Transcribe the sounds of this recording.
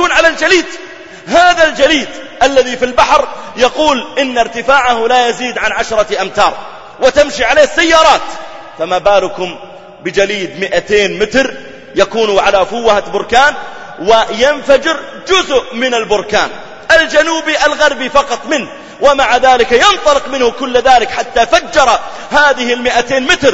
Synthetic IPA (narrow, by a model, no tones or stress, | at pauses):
uːnʕalald͡ʒaliːd̪ | ɦaːðald͡ʒaliːd̪ʔalːaðifilbaħɾjɑquːlʔɪnːaɾt̪ɪfaːʕahlajaziːd̪ʕanʕaʃɾˤɑʔamt̪ɑːɾˤ | wɪt̪amʃiʕaleːhɪsːajːɑːɾˤɑːt̪ | famaːbaːlʊkʊm | bɪd͡ʒaliːd̪mɪʔat̪eːnmɪt̪ɾ | jakuːnuʕalafʊwːhabʊɾkaːn | wɪjɪnfad͡ʒɪɾ | d͡ʒʊzʊʔmɪnalbʊɾka̰ːn | ʔald͡ʒanuːbiʔalɣɑɾˤbifɑqɑt̪ˤmɪnh | wɪmaʕaðaːlɪkjɪnt̪ˤɑlɪqmɪnhʊkʊlːðaːlɪkħat̪ːafad͡ʒːɑɾˤɑ | haːðɪhɪlmɪʔat̪eːnmɪt̪ɾ